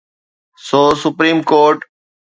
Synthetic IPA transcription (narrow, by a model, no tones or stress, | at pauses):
soːsʊpɾiːmkoːɾʈ